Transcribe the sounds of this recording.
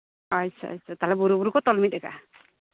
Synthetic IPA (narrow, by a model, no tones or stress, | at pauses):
asʰa̰ʌ̰t͡ʃʰat̪aɦlɛbuɾubuɾukɔt̪ɔlmit̪̚ɛka̰